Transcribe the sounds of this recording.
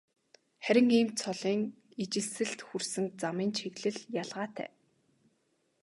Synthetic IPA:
χæɾʲɪ̆ŋiːmt͡sʰɔɮiːŋ | it͡ɕɪ̆ɮsɘ̆ɬt̪xursɘ̆ŋt͡samiːnt͡ɕʰeɣɮɘ̆ɮjaɮʁaːt̪ʰæ̰ː

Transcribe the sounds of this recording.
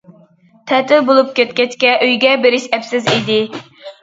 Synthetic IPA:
t̪ʰɛt̪ʰɪbolˠup̚kʲɛt̪̚kʲɛt͡ʃkʲɛʔøjɡʲɛbeɾɪʃɛpsɪzid̪ɪ

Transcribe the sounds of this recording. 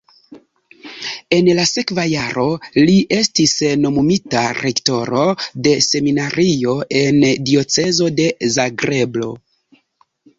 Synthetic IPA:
e̞nlase̞kvajaɾo̞liʔe̞stisno̞mumitaɾekto̞ɾo̞de̞se̞minaɾio̞ʔe̞ndio̞t͡se̞zo̞de̞zaɡɾe̞blo̞̰

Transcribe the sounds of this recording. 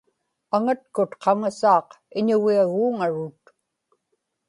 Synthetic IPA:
aŋat̪̚kʊt̪qʰɑŋasɑːq | ɪɲʊɣiaɣuːŋaɻʊt̪

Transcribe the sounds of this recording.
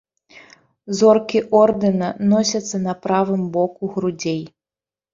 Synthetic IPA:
zɔrkʲiʔɔrd̪ɨnɐnɔsʲɐt̪sːɐnɐpɾavɨmbɔkuɣɾud͡zʲej

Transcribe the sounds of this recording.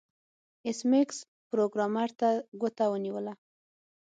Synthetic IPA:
ɪsmɪks | pɾoɡɾɑmaɾt̪aɡot̪awəniwəla

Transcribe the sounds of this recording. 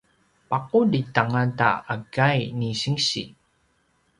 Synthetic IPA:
pakuditaŋanta̰aɡajniɕiŋɕḭ

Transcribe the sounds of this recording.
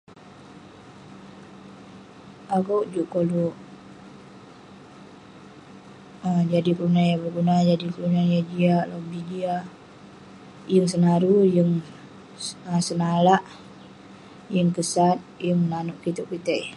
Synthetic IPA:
aɡowʔd͡ʒuʔkolu | əd͡ʒadikəlunajabərɡunad͡ʒadikəlunajad͡ʒialobid͡ʒia | jəŋsənaɾujəŋ | əsənalaʔ | jəŋkəsat̪̚jəŋnanuʔkit̪uʔkit̪ɛ

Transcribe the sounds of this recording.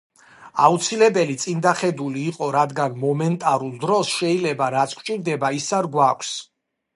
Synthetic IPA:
aut̪sʰilɛbɛlit̪sʼind̪aχɛd̪uliːqʼɔɾad̪ɡanmɔmɛnt̪ʼaɾulˠd̪ɾɔsʃɛilɛbaɾat̪sʰkʰt͡ʃʼiɾd̪ɛbaisaɾɡwakʷʰs

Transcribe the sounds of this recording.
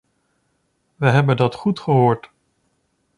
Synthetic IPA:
ʋəɦɛbəndɑtχutχəɦoːɹt

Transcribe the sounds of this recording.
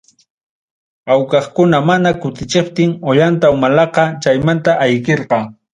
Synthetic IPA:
awkɑχkʊnamanakʊt̪ɪt͡ʃɪpt̪ɪŋoʎant̪aʊmalɑqɑt͡ʃajmant̪aʔajkeɾqɑ

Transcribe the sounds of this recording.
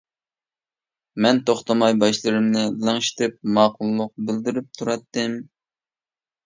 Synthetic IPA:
mɛnt̪ʰoχt̪ɑmɑjbɑʃlˠɨɾɨmnɨlæŋʃi̥t̪ʰɪp̚mɑːqʰʊlˠːʊq̚bɪld̪ɪɾyp̚t̪ʰuɾɑt̪ːɨm

